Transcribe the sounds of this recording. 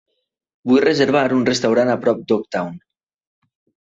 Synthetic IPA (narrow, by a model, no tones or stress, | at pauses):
bujrəzəɾβ̞aɾunrəst̪awɾanapɾɔp̚d̪ɔk̚t̪awn